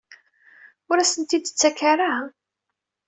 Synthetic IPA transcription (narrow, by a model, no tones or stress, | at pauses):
ʊɾæsənt̪id̪t͡sːækaɾah